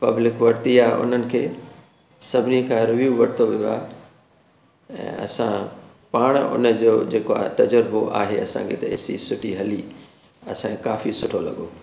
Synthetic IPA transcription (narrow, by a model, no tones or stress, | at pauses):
pɐblɪkʋɐɽt̪iaːɦʔʊ̰n̤ənɪ̆kʰeː | sɐbʱɪnikʰãɾɪʋjuːʋɐɽɪt̪ʰoʋijoa̰ː | ɛ̰̃ːɐ̰sã̰ | paːɽ̃ʊ̰nəd͡ʑoːd͡ʑeːkoa̰ːt̪ɐd͡ʑəɾboʔa̰ːɦeɐsã̰kʰḛt̪ɐḛːsḭsʊʈʰiɦɐli | ɐsãkekaːfisʊʈʰolɐ̰ɠoː